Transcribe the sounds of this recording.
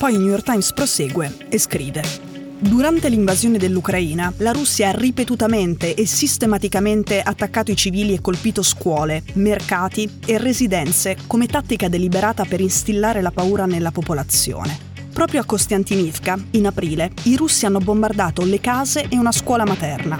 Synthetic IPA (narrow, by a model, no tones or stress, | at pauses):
pɔjnjujorkt̪ajmspɾoseːɡwe | eskɾiːve | d̪uɾant̪eliɱvazjoːned̪elːukɾaiːnalaɾusːjaarːipet̪ut̪ament̪eʔesist̪emat̪ikament̪eʔat̪ːakːaːt̪oit͡ʃiviːliekːolpiːt̪oskwɔːlemerkaːt̪i | erːezid̪ɛnt̪sekomet̪at̪ːikad̪elibeɾaːt̪apeɾinst̪ilːaːɾelapauːɾanelːapopolat̪sjo̰ːne | pɾɔːpɾjoakːost̪jant̪inifkainapɾiːleiɾusːianːobombard̪aːt̪olekaːzeʔeunaskwɔːlamat̪ɛrna